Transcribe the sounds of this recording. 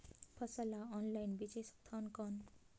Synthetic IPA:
pʰʌsʌlaɔnlajnbiseskt̪ʰʌnkʌn

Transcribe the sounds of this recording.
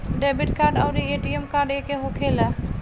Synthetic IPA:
ɖebiʈkaɾɖa̰ʊɾieʈiemkaɾɖekeɦokʰela

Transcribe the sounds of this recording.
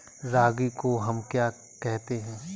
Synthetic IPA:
ɾaːɡikoɦɐmkjaː | kɛɦt̪eɦɛ̃ː

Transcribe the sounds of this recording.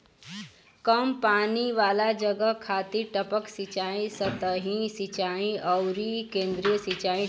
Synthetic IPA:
kəmpaːniʋaːlad͡ʒəɡəkʰaːt̪iʈəpəksit͡ʃaːĩsət̪əɦĩsit͡ʃaːĩəwɾikẽːnd̪ɾijəsit͡ʃaːĩ

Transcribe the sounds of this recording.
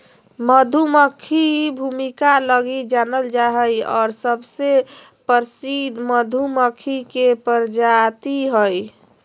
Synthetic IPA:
məd̪ʱuməkʰibʱumikaləɡid͡ʒanəld͡ʒaɦəjɔ̰ːɾsəbse | pəɾsid̪ʱməd̪ʱuməkʰikepəɾd͡ʒat̪iɦəj

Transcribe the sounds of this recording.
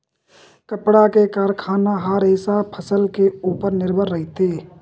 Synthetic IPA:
kəpɽakekaːɾkʰaːnaɦaːɾɦɪsapʰəsəlkeuːpəɾnɪɾbʱəɾːəɦɪt̪eː

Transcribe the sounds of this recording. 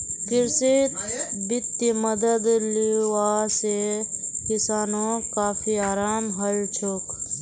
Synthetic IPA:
pʰɪɾse | bɪt̪jəməd̪əd̪liwasekɪsaːnõkaːpʰiaːɾaːmɦəlt͡ʃʰoːk

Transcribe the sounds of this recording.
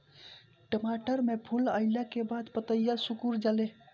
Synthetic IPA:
ʈəmaʈəɾmepʰuləɪlakebad̪pət̪əjasukuɾd͡ʒale

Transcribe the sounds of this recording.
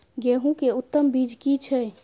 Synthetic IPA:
ɡɛɦũkeut̪ːəmbid͡ʒkit͡ʃʰɛ

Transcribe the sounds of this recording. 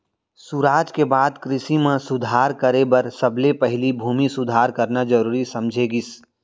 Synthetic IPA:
suɾaːd͡ʒkebaːd̪kɾɪsimẽsʊd̪ʱaːɾkəɾebɐɾsəblepəɦlibʱuːmisʊd̪ʱaːɾkəɾnad͡ʒəɾuːɾisɐmd͡ʒʱeɡis

